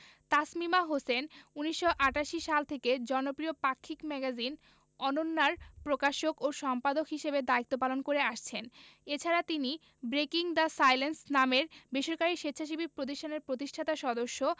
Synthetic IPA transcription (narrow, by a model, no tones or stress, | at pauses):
t̪asmimaɦosenuniʃːoʔaʈaʃiʃalt̪ʰeked͡ʑɔnopɾiopakʰːikmɛɡad͡ʑin | ɔnonːaɾpɾokaʃokoʃɔmpad̪okɦiʃebed̪ait̪ːopalonkoɾeaʃt͡ɕʰenet͡ɕʰaɾat̪ini | bɾekiŋd̪asajlensnameɾbeʃoɾkaɾiʃetːɕʰaʃ̬ibʱiɾpɾot̪̬iʃʈʰaneɾpɾot̪̬iʃʈʰat̪aʃɔd̪oʃːo